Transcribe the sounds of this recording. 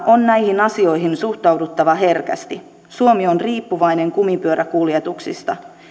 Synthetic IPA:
ʔo̞nnæjhinɑsio̞jɦinsuht̪ɑwdut̪ːɑʋɑɦe̞rkæ̰st̪i | suo̞mionriːpːuʋɑjneŋkumipyøɾækuljet̪uksḭst̪ɑ̰

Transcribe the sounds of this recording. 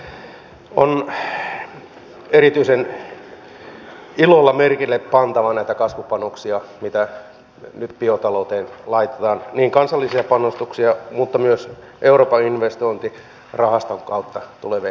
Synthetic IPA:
on | erit̪yisen | ilolːɑmerkilːeppɑnt̪ɑʋɑnæit̪ækɑsʋupɑnoksiɑmit̪æ | nyt̪piot̪ɑlout̪eːnlɑit̪e̥t̪ɑːnniːŋkɑnsɑlːisiɑpɑnːost̪uksiɑmut̪ːɑmyøs | ʔeuroːpɑinʋest̪oint̪i | rɑhɑst̪oŋkɑut̪ːɑt̪uleʋe

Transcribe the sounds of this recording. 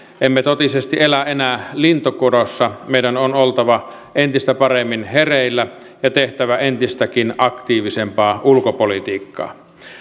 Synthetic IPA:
ʔemːet̪ot̪isest̪ielæʔenæːlint̪okoɾosːɑmeijdænonolt̪ɑʋɑ | ʔent̪ist̪æpɑremːinhereˑilːæ | jɑt̪eht̪æʋæent̪ist̪ækinɑkt̪iːʋisempɑːʔulkopolit̪iːkːɑ̰ː

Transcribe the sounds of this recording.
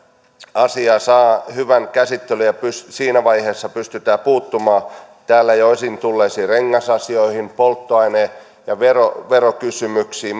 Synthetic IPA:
ɑsiɑsɑːhyʋænkæsit̪ːelyjɑpyssiːnæʋɑiheːsːɑpyst̪yt̪æːpuːt̪ːumɑː | t̪æːlːæjoisint̪ulːeːsiːreŋːɑsɑsioihimpolt̪ːoɑine | jɑʋeroʋerokysymyksiː

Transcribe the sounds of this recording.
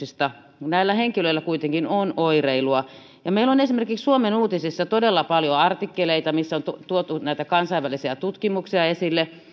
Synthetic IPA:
ist̪ɑ | næilːæheŋkiløilːækuit̪eŋkinonoireiluɑ | jɑmeilonesimerkikssuomenuːt̪isisːɑt̪odelːɑpɑljoɑrt̪ikːeleit̪ɑmisːont̪ut̪uot̪unæit̪ækɑnsɑiʋælisiæt̪ut̪kimuksiɑesilːe

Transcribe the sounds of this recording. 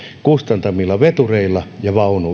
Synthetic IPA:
kust̪ɑnt̪ɑmilːɑʋet̪ureilːˑɑjɑʋɑunu

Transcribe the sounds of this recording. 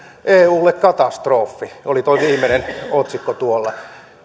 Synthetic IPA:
ʔeːuːlːekkɑt̪ɑst̪roːfːiolit̪oiʋiːmːenenot̪sikːot̪uolːɑ

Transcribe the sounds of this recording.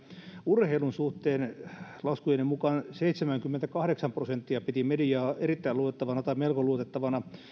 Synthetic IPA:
urheilunsuht̪eːnlɑskujenemmukɑnseit̪semæŋkymːent̪ækɑhɾeksɑmprosent̪ːiɑpit̪imedijɑːerit̪ːæiluot̪et̪ːɑʋɑnɑt̪ɑimelkoluot̪et̪ːɑʋɑnɑ

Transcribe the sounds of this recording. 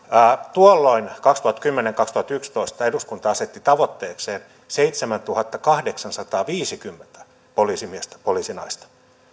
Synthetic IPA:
æːt̪uolːoinkɑkst̪uhɑt̪kymːeneŋkɑkst̪uhɑt̪ykst̪oist̪ɑeduskunt̪ɑɑset̪ːit̪ɑʋot̪ːeːkseːn | seit̪semænt̪uhɑt̪ːɑkɑhdeksɑnsɑt̪ɑːʋiːsikymːent̪æ̥ | poliːsimiest̪æ̥poliːsinɑist̪ɑ̥

